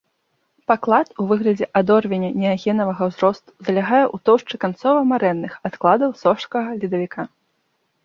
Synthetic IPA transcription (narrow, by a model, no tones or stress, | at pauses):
paklˠat̪uvɨɣlʲɐd͡zʲɛʔad̪ɔrvʲɛnʲɐnʲɛaɣʲɛnɐvɐɣɐwzɾɔst̪u̥zɐlʲaɣajɛʔut̪ɔwʂt͡ʂɨkant̪sɔvɐmaɾɛnːɨxat̪klˠad̪ɐwsɔʂkɐɣɐlʲid̪ɐvʲikʰa